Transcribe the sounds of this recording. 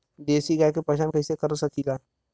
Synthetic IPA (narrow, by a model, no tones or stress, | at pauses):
d̪eːsiɡakepɐʃaːnkɐisekəɾosɐkʰilaː